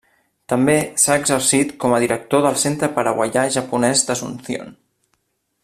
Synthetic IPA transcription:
t̪əmbesaəɡzərsit̪kɔməðiɾək̚t̪oðəlˠsent̪ɾəpəɾəɣwə̰ʎaʒəpunɛzd̪əsunsio̰n

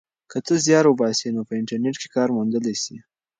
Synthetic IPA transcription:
kət͡s̪əzjɑɾwəbɑsinopəɪɳʈaɾneʈke̥kɑɾmund̪əlesi

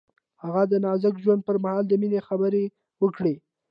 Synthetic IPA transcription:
haɣad̪ənɑzəkʒwand̪̚pəɾmahɑld̪əminexabəɾe | wəkɽe

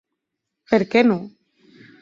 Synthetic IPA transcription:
peɾkeno

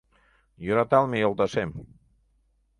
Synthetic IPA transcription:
joɾat̪alˠmiolˠt̪asem

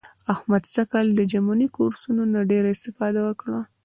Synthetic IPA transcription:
ahmad̪ʃakald̪əd͡ʒamunikoɾsunonaɖeɾaɪst̪ɪfɑd̪awəkɽa

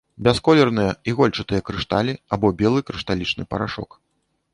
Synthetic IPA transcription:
bʲɛskɔlʲɛrnɨjɐiɣɔlʲt͡ʂɨt̪ɨjɐkɾɨʂt̪alʲiabɔbʲɛlˠɨkɾɨʂt̪alʲit͡ʂnɨpɐ̰ɾaʂɔ̰k

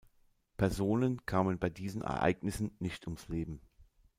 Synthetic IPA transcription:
pʰɛɐzoːnənkʰaːmənbaɪdiːzn̩ʔɛ̰ɐʔa̰ɪɡnɪsn̩nɪçtʰʊmsleːbm̩

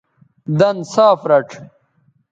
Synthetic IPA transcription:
d̪ɐnsaːfɾɐʈ͡ʂʰ

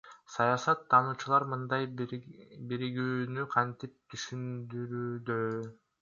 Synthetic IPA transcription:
sɑjɑsɑt̪ʰːɑːnuːt͡ʃulˠɑɾmɯnd̪ɑj | biɾiɡyːnyqʰɑnt̪ip̚t̪ʰyʃynd̪yɾyːd̪ø

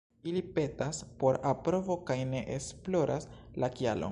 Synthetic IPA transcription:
ilipe̞taspo̞ɾapɾo̞vo̞kajne̞ʔesplo̞ɾʔa̰slakialo̰

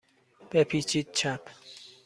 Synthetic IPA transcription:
b̥epʰit͡ʃʰid̪̥̚t͡ʃʰapʰ

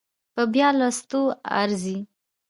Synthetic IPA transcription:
pəbjɑlast̪oa̰ɾzi

